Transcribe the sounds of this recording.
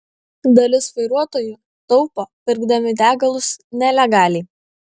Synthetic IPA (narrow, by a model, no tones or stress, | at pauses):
d̪ɐlʲɪsʋɐɪɾuɔt̪oːju | t̪ɔʊpopʲɪɾɡd̪ɐmʲɪd̪ʲæːɡɐlˠʊsnʲɛlʲɛɡɑːlʲɛɪ